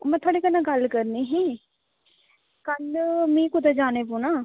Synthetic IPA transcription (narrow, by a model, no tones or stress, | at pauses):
mɛ̃ːt̪ʰaːɽeːkənãːɡəlkəɾniːɦɛ̃ː | kənɖmĩːkʊd̪ad͡ʒaːneːpũːnaː